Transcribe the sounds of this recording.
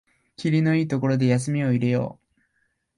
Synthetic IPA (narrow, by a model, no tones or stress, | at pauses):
kʲiɾʲino̞iːt̪o̞ko̞ɾo̞d̪e̞jas̬ɨmʲio̞iɾe̞jo̰ː